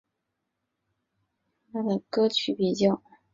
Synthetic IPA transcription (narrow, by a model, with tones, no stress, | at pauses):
t̪ʰa˥d̪ə˨kɤ˥t͡ɕʰy˧˥pi˨˩t͡ɕjɑ˥˩ʊ